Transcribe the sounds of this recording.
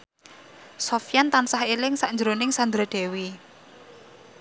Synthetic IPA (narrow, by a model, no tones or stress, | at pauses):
sɔfjant̪ansahelɪŋsaʔɲd͡ʒəɾonɪŋsand̪ɾad̪̥e̤wi